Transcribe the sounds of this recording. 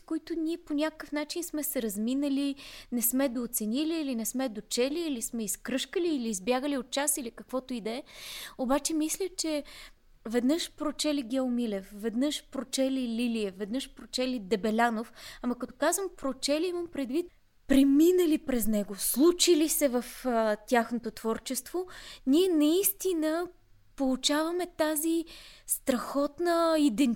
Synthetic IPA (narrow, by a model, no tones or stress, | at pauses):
koit̪ʊnʲiɛponʲakəkəfnat͡ʃinsmɛsɛɾɐzminəlinɛsmɛd̪oːt̪sɛnʲiliːlinɛsmɛd̪ot͡ʃɛliːlismɛiskɾɤʃkəliːliːzbʲjaɡəliot̪̚t͡ʃasilikəkvɔt̪oid̪ɛɛobat͡ʃɛmislʲət͡ʃɛ | vɛd̪nəʃpɾot͡ʃɛliɡʲɛomilɛfvɛd̪nɤʃpɾot͡ʃɛlililiɛvɛd̪nəʃpɾot͡ʃɛlid̪ɛbɛlʲanofamɐkɐt̪okazvəmpɾot͡ʃɛliiməmpɾɛd̪vit̪ | pɾɛminəlipɾɛznɛɡoslˠut͡ʃilisɛvəft̪ʲjaxnot̪ot̪v̥ɔɾt͡ʃɛst̪voniɛnɐist̪inə | polˠut͡ʃavɐmɛt̪azist̪ɾɐxɔt̪nəid̪ɛn